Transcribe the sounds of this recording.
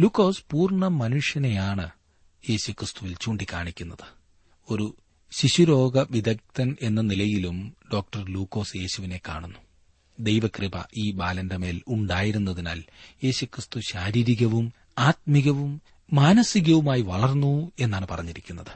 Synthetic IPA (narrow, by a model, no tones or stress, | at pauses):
luːkːo̞ːspuːrɳɐmɐnuʂjɐnejaːɳɨ | je̞ːɕukrɨst̪uʋilt͡ɕuːɳɖikːaːɳikʲːun̪ːɐðɨ̥ | o̞ɾu | ɕiɕuɾo̞ːɡɐʋid̪ɐk̚t̪ɐne̞nːɐnilɐjilumɖo̞ːk̚ʈɐrluːkːo̞ːsje̞ːɕuʋine̞kːa̰ːɳunːu | d̪e̞jʋɐkribɐ̰ʔiːbaːlɐndeme̞ːluɳɖaːjiɾunːɐðina̰ːlje̞ːɕukrɨst̪uɕaːɾiːɾiɣɐʋum | aːt̪̚miɣɐʋumː | aːnɐsiɣɐʋumaːjiʋɐɭɐrnːue̞nːaːɳɨpɐrɐɲːiɾikʲːunːɐðɨ